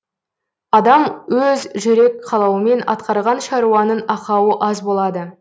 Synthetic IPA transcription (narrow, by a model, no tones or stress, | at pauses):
ɑd̪ɑmwɵzʒɵɾe̞k̚qʰɑlˠɑwəme̞nɑ̰t̪qɑɾʁɑnʃɑɾuwɑnənɑqɑwəʔɑzbo̞lˠɑd̪ə